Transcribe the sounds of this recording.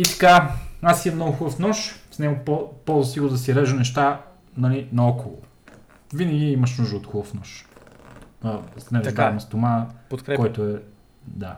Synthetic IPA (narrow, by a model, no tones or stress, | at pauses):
it̪ɐ̥kaasiɐmnɔɡʊxubfnɔʃsnɛɡʊppɔlˠzɐsiɡɾd̪ɐsiɾɛʒɐnɛʃt̪a | nɐlinɐɔkolˠʊ̰ | vinɐɡʲiimɐʃ̬nuʒd̪əot̪xubəfnɔʃ | ɐsnɛɾɐbaɾɐmɛst̪omapt̪kkɔjt̪oɛ | d̪a